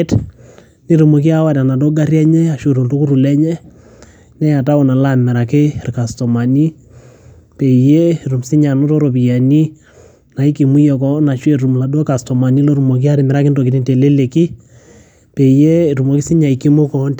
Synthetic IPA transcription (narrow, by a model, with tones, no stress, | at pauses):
t | ni˦ɾu˨mo˨ki˦a˦wa˨ta˨na˨do˦ɡa˦rjɛ˦ɲɛ˦a˨ʃo˨ɾo˨nto˦ku˦ɾu˨lɛ˦ɲɛ˦ | nɛ˦ja˨ta˦ɔ˨na˨la˦mɛ˨ɾa˨kɪ˦˨rka˨stɔ˨ma˨ni˦ | pe˨jɛ˦ɾu˨msɪ˦ɲa˨no˦tɔ˦ɾo˨pi˨ja˨ni˦ | na˨i˦ki˨mu˦jɛ˨kɔ˦na˨ʃwɛ˦˨ɾu˨m˨la˨dɔ˦ka˨stɔ˨ma˨ni˦lo˦ɾu˨mɔ˨ki˦a˦ɾɪ˨mɛ˨ɾa˦kɪ˦ndɔ˨ki˨ni˦nte˨le˦le˨ki˦ | pe˨jɛ˦˨ɾu˨mo˨ki˦sɪ˦ɲa˨i˨ki˦mu˦kɔ˨˦n